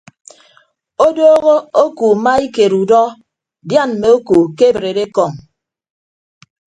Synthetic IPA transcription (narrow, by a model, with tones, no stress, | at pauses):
o˦doː˦ɣo˦o˦ku˨ma˦i˦ke˨ɾu˨dɔ˦ | dja˦˨nm̩˨me˨o˦ku˨ke˦˨bɾe˨de˦kɔ˦˨ŋ